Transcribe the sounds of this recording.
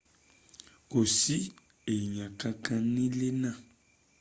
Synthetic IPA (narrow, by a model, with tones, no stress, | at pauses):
o˨si˦ | e˨ɲã˨kã˦kã˦nĩ˦le˦nã˦˨